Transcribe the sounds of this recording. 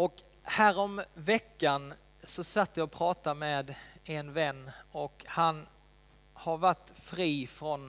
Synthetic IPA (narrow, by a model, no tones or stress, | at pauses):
ɔk | hæːɾɔmvɛkːan | sɔsat̪ːjɑɔpʰɾɑːt̪ameːd̪ɛnvɛnːɔkhan | haɾvaʈːfɾiːfɾɔn